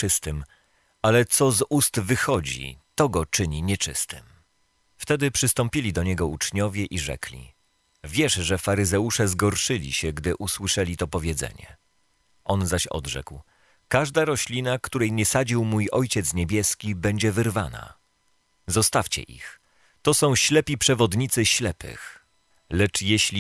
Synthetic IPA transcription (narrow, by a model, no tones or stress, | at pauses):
t͡ʂɘst̪ɘm | alɛt̪sɔzust̪vɘxɔd͡ʑḭt̪ɔɡɔt͡ʂɘɲiɲɛt͡ʂɘ̰st̪ɘm | ft̪ɛd̪ɘpʂɘst̪ɔmpʲilʲid̪ɔɲɛɡɔut͡ʂɲɔvʲjɛʔiʐɛ̰klʲḭ | vʲjɛʂʐɛfaɾɘzɛuʂɛzɡɔɾʂɘlʲḭɕɛɡd̪ɘʔuswɘʂɛlʲit̪ɔpɔvʲjɛd̪zɛ̰ɲɛ̰ | ʔɔnzaɕɔ̰d̪ʐɛ̰kw | kaʐd̪aɾɔɕlʲinakt̪uɾɛjɲɛsad͡ʑiwmujʔɔjt͡ɕɛt̪sɲebʲjɛskʲibɛɲd͡ʑɛvɘɾvana̰ | zɔst̪aft͡ɕɛ̰ʔḭx | t̪ɔsɔ̃w̃ɕlɛpʲipʂɛvɔd̪ɲit̪sɘɕlɛpɘ̰x | lɛt͡ʂjɛɕlʲi